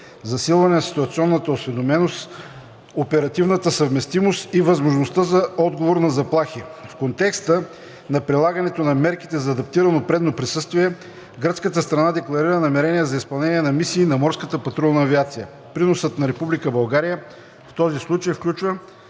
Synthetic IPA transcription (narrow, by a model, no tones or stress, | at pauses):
zɐsilˠvɐnɛnɐsi̥t̪uɐt̪siɔnːət̪əosvɛd̪omɛnos | opɛɾɐt̪ivnət̪əsəvmɛst̪imost̪ivɐzmoʒnost̪əzɐɔd̪ɡovoɾnɐzɐplˠaxifkont̪ɛkst̪ə | nɐpɾilˠaɡɐnɛt̪onɐmɛɾki̥t̪ɛzɐːd̪ɐp̚t̪iɾɐnopɾɛd̪nopɾisɤst̪viɛ | ɡɾət̪skət̪əst̪ɾɐnad̪ɛklˠɐɾiɾənɐmɛɾɛniɛzɐispɐlˠnɛniɛnɐmisiːnɐmɔɾskət̪əpɐt̪ɾɔlˠnɐːviat̪sijə | pɾinosət̪nɐɾɛpublikəbɐlˠɡaɾijə | ft̪ɔzislˠut͡ʃəjfklʲut͡ʃvə